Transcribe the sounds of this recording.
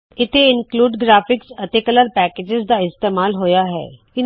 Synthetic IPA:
ɪt̪ʰeɪnkluːɖɡɾaːpʰɪksət̪eːkələɾpɛːkeːd͡ʒɪzd̪aːɪst̪eːmaːlɦoːjaːɦɛ̰ː | ɪn

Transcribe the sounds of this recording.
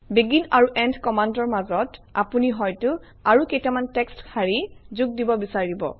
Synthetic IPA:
biɡinaɹuʔɛndʰkɔmandɔɹmazɔta̰puniɦɔjtʊ | aɹukejtamantɛkstkʰaɹizuɡ̚dibɔbisaɹibɔ̰

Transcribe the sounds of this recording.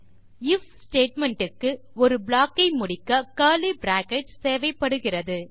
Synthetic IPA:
ɪfsʈeːʈmɛɳʈɯkːɯ | ɔɾɯbɭaːkːɐɪmʊɽɪkːɐkaːlibɾaːkɛʈseːʋɐɪpːɐɽɯɣɪrɐðɯ

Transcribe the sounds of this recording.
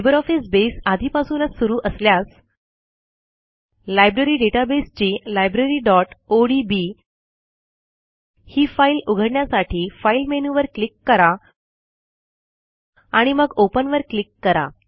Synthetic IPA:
ibəɾɔfisbesad̪ʱiːpasuːnət͡ssuɾuːʔəsljas | lajbɾəɾiːɖeʈabest͡ɕiːlajbɾəɾiːɖɔʈoɽibi | hiːfailuɡʱəɽɳjasaʈʰiːfailmenuʋəɾklikːəɾa | aɽ̃iməɡopənʋəɾklikːəɾa̰

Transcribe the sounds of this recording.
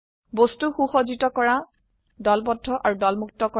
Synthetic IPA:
bostuxuxozitɔkɔɹa | dɔlpɔdʱːɔʔaɹudɔlmuk̚tɔkɔ

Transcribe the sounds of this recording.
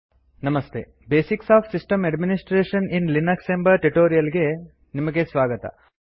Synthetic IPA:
nɐmɐst̪ʰḛ | beːsiksaːpʰsisʈɐmɐɖminisʈɾeːʃɐninlinɐksembɐɾʈiʈoːɾijɐlɡe̞ | nimɐɡe̞sʋaːɡɐt̪ɐ̰

